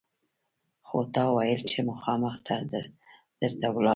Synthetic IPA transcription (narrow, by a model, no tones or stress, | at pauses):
xot̪ɑwajəlt͡ʃemʊxɑməxt̪ʰa | d̪̥əɾt̪awlɑ